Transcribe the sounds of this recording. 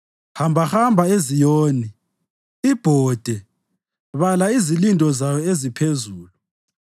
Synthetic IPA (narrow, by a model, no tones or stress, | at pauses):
hambʱahambʱaezijoːni | ib̥ʱɔːd̥ʱɛ | βalaizilintʼɔzajɔezipʰezuːlu